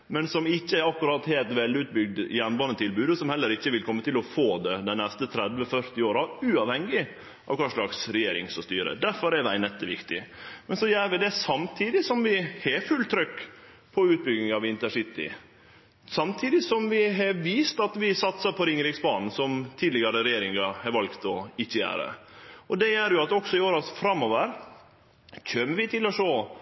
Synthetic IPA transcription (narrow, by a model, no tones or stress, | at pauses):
mɛnsɔmɪçːəɛɾɑkːʉɾɑt̪heːlt̪ʋɛlʉːt̪̚bʏɡ̚d̪jɛnbɑnət̪ʰɪlbʉːd̪əsɔmhɛlːəɾɪçːəʋɪlkʰɔmːət̪ɪlɔfoːd̪ɛd̪ɛnɛst̪ət̪ʰɾɛd̪ʋəfœɾt̪ɪoːɾɑʉːɑʋhɛŋːɪ | ʔɑ̰ʋkʰɑːʂɭɑksɾɛjeːɾɪ̰ŋsɔst̪yːɾə̰d̪æɾfɔɾɛd̪æɪnɛt̪ːəʋɪkt̪ɪ̰mɛnsɔjæːɾʋɪd̪ɛsɑmt̪ʰiːd̪ɪsɔmʋɪheːfʉlt̪ʰɾʏkː | pʰɔʉːt̪̚bʏɡnɪŋɑʋɪnt̪əsɪt̪ːɪ̰ | sɑmt̪ʰiːd̪ɪsɔmʋɪɦɑʋiːst̪ɑt̪ʋɪsɑt̪sɑpʰɔɾɪŋɾɪksbɑːnn̩sɔmt̪ʰiːd̪lɪɡɑɾəɾɛjeːɾɪŋɑhɑɾʋɑlkt̪ɔɪçːəjæ̰ːɾə̰ɔd̪ɛjæːɾjʊɑt̪ɔksɔɪoːɾɑsfɾɑmːɔʋəɾ | çøːmːəɾʋɪt̪ʰɪlːɔʂoː